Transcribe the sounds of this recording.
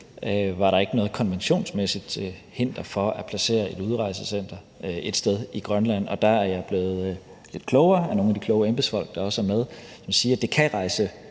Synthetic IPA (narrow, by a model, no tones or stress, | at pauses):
øʋɑ̈ɾɑ̈e̝ɡ̥ənɔ̽ːðˠkʰɒ̽nʋenɕo̝̰ːnsmesid̥ | he̝n̰d̥ɐfɒ̽æpʰlæse̝̰ːɐe̝ɾ̥uð̞ˠʁɑ̈ɪsəsen̰d̥ɐ | ʔe̝d̥sd̥eðˠiɡ̥ʁɶnlæn̰ɒ̽d̥æ̈æɐjɑ̈ɪb̥le̝ːð̞̩ˠ | le̝d̥̚kʰlɔʊɐːænoːnæd̥ikʰlɔ̽ʊəemb̥esfɒ̽l̰ɡ̥əd̥ɑ̈ɒ̽sæɐmeð̞ˠsmæsiːɐd̥e̝kʰæʁɑ̈ɪsə